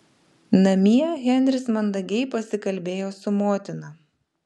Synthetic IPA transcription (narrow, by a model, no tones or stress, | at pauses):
nɐmʲiɛɣʲɛnʲɾʲɪsmɐnd̪ɐɡʲɛɪpɐsʲɪkɐlʲbʲeːjoːsʊmoːt̪ʲɪnɐ